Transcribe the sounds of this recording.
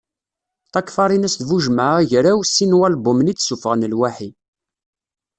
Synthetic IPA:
θɑkːfɑɾˤinæsd̪vuʒmaʁʝɾæwsːinwælbʊmnit͡sːsufəʁənəlwaħi

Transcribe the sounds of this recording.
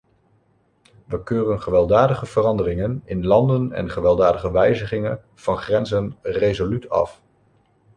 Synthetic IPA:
ʋəkøːrənχəʋɛlˠdaːdəχəv̥ərɑndərɪŋənɪnlɑndənɛ̰nχəʋɛlˠdaːdəχəʋɛjzəχɪŋən | v̥ɑnχrɛnzənrejzolytɑ̰f

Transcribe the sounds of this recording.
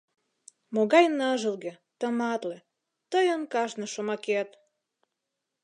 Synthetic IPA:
moɣɑjnəʒə̆lɣĕ | t̪ə̆mɑt̪lĕ | t̪əjə̆nkɑʒnɤ̆ʃomɑket̪

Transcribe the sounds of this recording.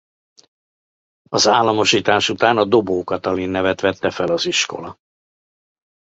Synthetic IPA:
ɒzaːlːɒmo̞ʃiːt̪aːʃut̪aːnɒd̪o̞boːkɒt̪ɒlinːɛvɛt̪ʋɛt̪ːɛfɛlɒziʃko̞̰lɒ

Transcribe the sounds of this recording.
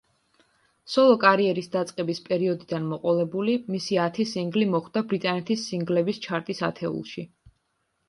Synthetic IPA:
sɔlˠɔkʼaɾiɛɾisd̪at̪sʼqʼɛbispʼɛɾiɔd̪id̪anmɔqʼɔlˠɛbulimisiat̪ʰisiŋɡlimɔχd̪̥abɾit̪ʼanɛt̪ʰisːiŋɡlɛbist͡ʃʰaɾt̪ʼisa̰t̪ʰɛṵlˠʃi

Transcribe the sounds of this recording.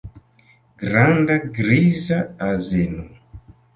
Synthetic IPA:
ɡɾandaɡɾizaazenu

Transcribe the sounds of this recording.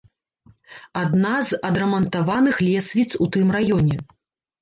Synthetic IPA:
ad̪nazɐd̪ɾɐmɐnt̪avanɨxlʲɛsʲvʲit̪sut̪ɨmrajɔnʲɛ

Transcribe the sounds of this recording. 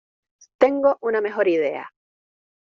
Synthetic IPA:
t̪e̞ŋɡo̞ʔuname̞xo̞ɾiðe̞a̰

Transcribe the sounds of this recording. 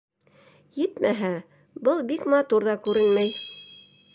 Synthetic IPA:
jɘt̪mʔæɦæ | bɤlˠbikmɑt̪uɾðɑkʉɾɘnmæj

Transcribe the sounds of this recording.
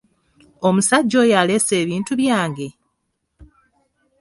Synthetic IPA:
o̞musaɟːo̞ːjale̞se̞ːβiːntuβjaːŋɡe̞

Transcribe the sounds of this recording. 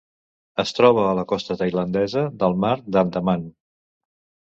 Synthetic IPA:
əst̪ɾɔβ̞əːləkɔst̪ət̪əjlənd̪ɛzəðəlˠmaɾd̪ant̪əman

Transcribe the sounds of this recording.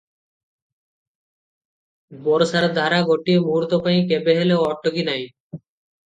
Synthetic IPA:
boɾsaɾed̪ʱaɾaɡʱoʈiemuɾt̪opajĩkebeɦeleoɔʈːoɡinaj

